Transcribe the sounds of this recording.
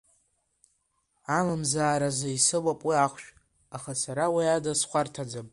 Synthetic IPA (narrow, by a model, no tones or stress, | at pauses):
amamzaːɾazaisɨwapʼwiaχʷʃᶣ | aχasaɾawiadasχʷartʰad͡zapʼ